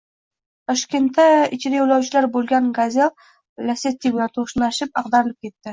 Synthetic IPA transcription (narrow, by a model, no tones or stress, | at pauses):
t̪ʰɒʃkʲe̞nt̪ːaɪt͡ʃʰɪd̪ajulawt͡ʃʰɪlaɾbolˠɡʲanɡazʲelˠ | lʲaset̪ʲːiɡnat̪ʰoʃnaʃɪpɑqd̪aɾɪlɪp̚kʲe̞t̪ːɪ